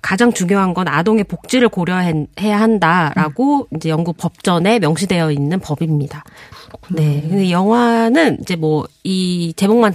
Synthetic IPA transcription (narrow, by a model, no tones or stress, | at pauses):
kad͡ʑaŋt͡ɕuŋjoɦanɡʌna̰doŋe̞pok̚t͡ɕ͈iɾɯɭkoɾjʌɦehe̞jaɦandaɾaɡoind͡ʑe̞jʌŋɡuk̚p͈ʌp̚t͡ɕ͈ʌne̞mjʌŋɕʰide̞jʌinːɯnpʌbimɲida | ne̞kɯndejʌŋwanɯnḭd͡ʑe̞mwʌit͡ɕe̞moŋman